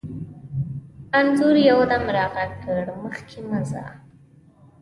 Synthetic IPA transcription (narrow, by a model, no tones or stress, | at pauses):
anzuɾjawd̪amɾɑɣakəɽməxkʰeməzɑ̰